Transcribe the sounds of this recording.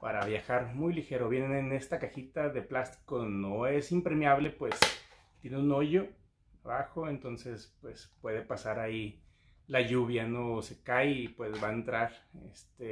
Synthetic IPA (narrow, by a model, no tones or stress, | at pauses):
paɾaβjaxaɾmujlixeɾo̞βje̞nenene̞st̪akaxit̪aðe̞plast̪i̥konoe̞simpɾe̞mjaβle̞pwe̞s | t̪jeneuno̞ʝo̞ | aβaxo̞e̞nt̪o̞nse̞spwe̞spwe̞ðe̞pasaɾai | laʝuβjanose̞kajipwe̞zβaent̪ɾaɾḛst̪e